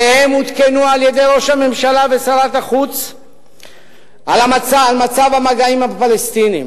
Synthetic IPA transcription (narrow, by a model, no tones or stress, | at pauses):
ehemut̪kenualje̞d̪e̞jɾo̞ʃame̞mʃalavesalat̪aχut͡s | ʔalamat͡saalmat͡savamaɡaimapalest̪inim